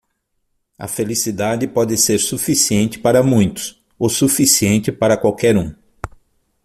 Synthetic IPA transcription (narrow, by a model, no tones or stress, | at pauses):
ɐ̰felisid̪ad͡ʒɪpɔd̪ɪseɾsufisiẽnt͡ʃɪ̥paɾɐmũj̃t̪ʊ̥s | osufisiẽnt͡ʃ̪ɪpaɾɐkwawkɛɾũ